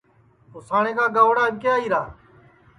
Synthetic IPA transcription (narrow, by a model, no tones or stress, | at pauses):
t̪oːsaːɳ̃ẽːkaːɡəːʋɽaːbkejaːiːɾaː